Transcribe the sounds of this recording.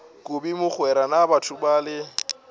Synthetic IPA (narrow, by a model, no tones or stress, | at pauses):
kʼʊbimʊk͡xwɛɾanabatʰʊbaːlɪ